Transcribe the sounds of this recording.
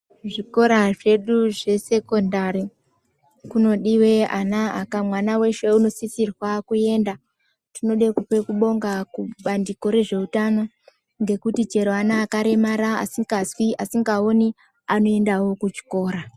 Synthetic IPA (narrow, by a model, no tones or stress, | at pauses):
ʐiko̞ɾaʐe̞ɗuʐe̞se̞ko̞ndaɾi | kuno̞ɗiwe̞anaakamwanawe̞ʃe̞uno̞sisirwakue̞nda | tino̞ɗekupe̞kuɓo̞ŋɡakuɓandiko̞ɾe̞ʐe̞utano̞ | ŋɡe̞kutit͡ʃe̞ɾoanaːkaɾe̞maɾa̰ːsiɡazwiʔasiŋɡao̞ni | ano̞e̞ndawo̞kut͡ʃi̥ko̞ːɾa